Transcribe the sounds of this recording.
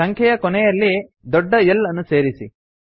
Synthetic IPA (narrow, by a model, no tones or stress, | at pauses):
ɐŋkʰɛjɐkɔnɛjɐlːi | d̪ɔɖːɐjɛlːɐnːuse̞ːɾisi